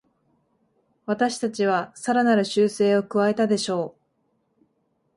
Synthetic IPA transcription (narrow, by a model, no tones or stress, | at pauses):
βat̪aɕi̥t̪at͡ɕiβ̞asaɾanaɾɯ̟ɕɨːse̞ːo̞kɯ̟βae̞t̪ad̪e̞ɕo̞ː